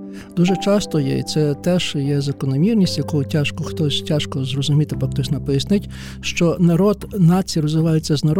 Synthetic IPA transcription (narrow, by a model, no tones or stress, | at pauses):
d̪̥uʒɛt͡ʃɑst̪ɔjɛ̰ḭt̪sɛt̪ɛʒjɛzɐkɔnɔmʲirnʲisʲtʲjɐkutʲaʃkɔxt̪ɔsʲtʲaʃkɔzrɔzʊmʲit̪ɪpɐkt̪ɔsʲnɐpɔjɐsnɪtʲ | ʃt͡ʃɔnɐɾɔd̪nɑt͡sʲijirɔzʋɪʋɑjʊt͡sʲːɐznɐɾ